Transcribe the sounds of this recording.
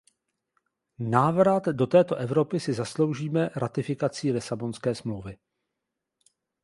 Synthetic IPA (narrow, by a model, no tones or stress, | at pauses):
naːvɾat̪do̞t̪ɛːt̪o̞ʔɛvɾo̞pɪsɪzaslo̞wʒiːmɛɾʔat̪ɪfɪkat͡siːlɪsabo̞nskɛːsmlowvɪ